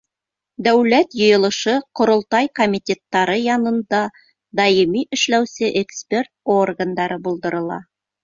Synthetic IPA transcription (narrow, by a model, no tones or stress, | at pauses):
d̪æwlæt̪jŏjɤ̆lˠɤ̆ʃɤqŏɾŏlˠt̪ɑjkomʲit̪ʲet̪ːɑɾɤjɑnɤ̆nd̪ɑ | d̪ɑjimiʔɵ̆ʃlæwsɘʔekspʲe̞rt̪̚orɡand̪ɑɾɤbulˠd̪ɤ̆ɾɤ̆lˠɑ̰